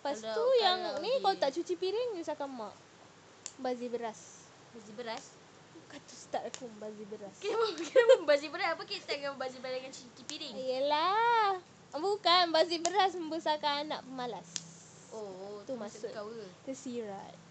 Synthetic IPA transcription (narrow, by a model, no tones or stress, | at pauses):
past̪ujaŋnikalot̪aʔt͡ʃut͡ʃipiɾɪŋjusakama̰ʔ | bazibəɾas | bazibəɾas | kat̪ust̪aʔakumbazibəɾask | bazibəɾasapəkit̪aɡaməbazibadaŋant͡ʃut͡ʃipiɾɪŋijəla | bukanbazibəɾas̬məmbəsakaːna̰ʔpəmalas | ot̪umãsʊawət̪əsiɾa̰t̪̚